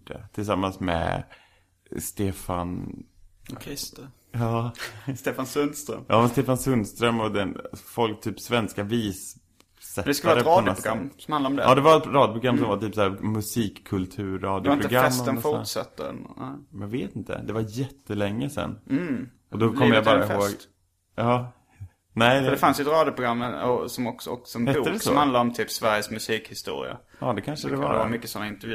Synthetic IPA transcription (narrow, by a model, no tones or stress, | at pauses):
ɖ̥ɛt̪ʰɪlsamːansmɛ̰ | st̪eːfan | kʰɛst̪ | jɑːst̪eːfansɵnst̪ɾœ̰mʔɑːmɛst̪eːfansɵnd̪st̪ɾœmːɔd̪ɛnfɔlk̚t̪ʰyːpsvɛnskaviːsː | ɛd̪ɛskaaaɾəpɾɑːdɔnɛɡɾamsɔmhanaɾɔmd̪ɛ̰ɑːd̪ɛvaɾɛt̪ɾɑːd̪jʊpʰɾʊɡɾamːsɔmvat̪yːpsæːɾmɵsiːkʰːɵlt̪ʰʉ̟ːɾːɑːd̪jʊɾɪnpɾʊɡɾaɛmsːənfʊtʂa̰t̪ːə̰nɛmɛjaɡveːt̪ɪnt̪ə̰d̪ɛvaɾjɛt̪ʰːəlɛŋːəsɛ̰n̩ː | ɔd̪ɔkʰɔmːjabɑːɾahoːɡ̪ | ɑː | nɛɪd̪d̪ɛfansjəɛt̪ɾɑːd̪jʊpʰɾʊɡɾamːɔsɔmɔksɔɔ̰ksɔmhbuːkd̪ɛsɔmhand̪aɾɔmt̪ʰyːpsvæɾjəsmɵsiːkhɪst̪ṵːɾɪ̰a̰ | ɑːd̪ɛkʰanʂəd̪ɛva̰a̰mʏkːəsɔnːaɪnt̪əɾvjʉ